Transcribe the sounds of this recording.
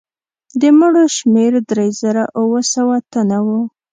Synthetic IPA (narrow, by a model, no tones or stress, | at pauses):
d̪əməɽoʃmeɾd̪ɾejzəɾaʔuwəsawat̪anawu